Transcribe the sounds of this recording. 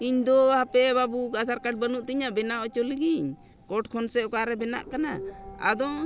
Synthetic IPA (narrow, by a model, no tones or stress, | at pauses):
iɲd̪ɔhapɛbabuɡasaɾkaɖ̚bənuʔt̪iɲabɛnaʔɔt͡ʃɔliɡiɲ | kɔʈkʰɔnsɛɔkaɾɛbɛna̰ʔkana̰a̰d̪ɔ